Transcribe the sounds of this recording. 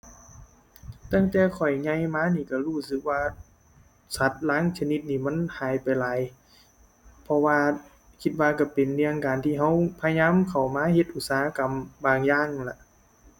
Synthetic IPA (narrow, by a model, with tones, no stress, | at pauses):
t̪aː˧˥˨ŋt̪ɛː˧˩kʰɔ˨˩jɲa˧˩˨jmaː˧˥˨niː˧˩ka˧˩huː˧˩sɯ˧˦k̚waː˧ | sa˧˩t̪̚laː˧˥˨ŋsʰa˧ni˧˦t̪̚niː˧˩ma˧˥˨nhaː˨˩jpa˨jlaː˨j | pʰɔ˧waː˧ | kʰi˧t̪̚waː˧ka˧˩pe˨nni˧˥a˧ŋkaː˨nt̪ʰiː˧ɦa˧˥˩wpʰa˧ɲaː˧˥˨mkʰa˨˩wmaː˧˥˨he˧t̪̚ʔu˧t̪̚saː˨ha˧ka˨mbaː˧ŋjaː˧˩˨ŋla˧ʔ